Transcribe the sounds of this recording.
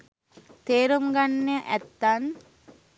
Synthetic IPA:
t̪eːɾuŋɡanːejəʔæt̪ːan

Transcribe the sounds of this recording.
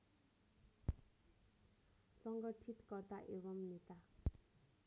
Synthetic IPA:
sʌŋɡʌʈʰit̪kʌrd̪aʔeβʌmnet̪a

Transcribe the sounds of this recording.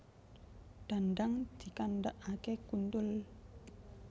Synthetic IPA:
ɖ̥a̤nɖaŋd̪̥i̤kanɖaʔakekunt̪ʊl

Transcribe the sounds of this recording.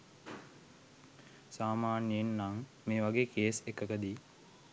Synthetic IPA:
saːmaːnienːaŋ | meːʋaɡeːkeːsekəkəd̪iː

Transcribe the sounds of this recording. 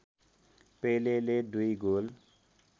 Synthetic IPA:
pejleledujɡol

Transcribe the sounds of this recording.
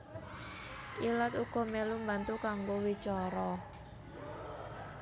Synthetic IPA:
ʔilat̪uɡ̥ɔ̤mɛlumbant̪ukaŋɡowit͡ʃɔɾɔ

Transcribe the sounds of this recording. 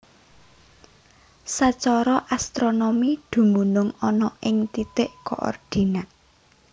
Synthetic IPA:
sat͡ʃɔɾɔʔast̪ɾonomid̪̥ṳmbunʊŋɔnɔʔɪŋt̪it̪ɪʔko̰ʔɔ̰rd̪̥i̤naʔ

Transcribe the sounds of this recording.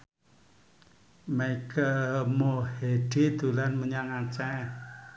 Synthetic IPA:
maikəmoheɖ̥id̪̥ulanməɲaŋat͡ʃɛ

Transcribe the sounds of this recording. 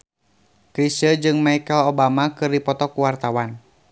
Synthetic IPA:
kɾisəd͡ʒɨŋmaikəlobamakɨrdipɔt̪ɔkuwart̪awan

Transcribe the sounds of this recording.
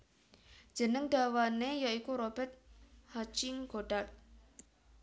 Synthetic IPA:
d͡ʒ̥ə̤nəŋd̥awanejaikuɾobɛt̪̚hat͡ʃɪŋɡoɖat̪̚

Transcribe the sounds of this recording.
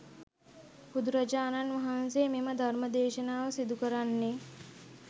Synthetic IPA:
pud̪uɾɐd͡ʒaːnanʋɐɦanseːmeməd̪ʱarməd̪eːʃənaːʋəsid̪ukəɾanːe

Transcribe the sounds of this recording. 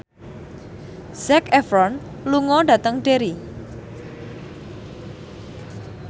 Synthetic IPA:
z̥ɛkɛfɾɔn | luŋɔɖat̪əŋɖeɾi

